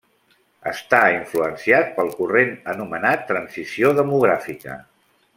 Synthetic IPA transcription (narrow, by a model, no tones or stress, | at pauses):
ə̰st̪aiɱfluənsiat̪̚pəlˠkurenənumənat̪ːɾənzisioðəmuɣ̞ɾafikə̰